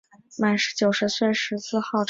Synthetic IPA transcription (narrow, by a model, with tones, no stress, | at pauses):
ma˨˩nʂɻ̩˧˥t͡ɕjo˨˩ʊʂɻ̩˧˥swe˥˩ʂɻ̩˧˥sɹ̩˥˧xɑ˥˩ʊʈ͡ʂ